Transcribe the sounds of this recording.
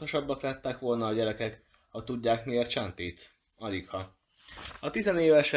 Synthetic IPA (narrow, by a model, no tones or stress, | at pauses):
oʃɒbːɒklɛt̪ːɛkʋo̞lnɒːɟɛɾɛkɛk | hɒt̪ːuɟːaːkmiert͡ʃɛnt̪iːt̪ | ɒlikhɒ | ɒt̪izɛneːvɛʃ